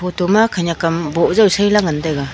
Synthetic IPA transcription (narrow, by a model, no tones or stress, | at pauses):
potomakʰaɲakambɔʔzawsajlaŋandajɡa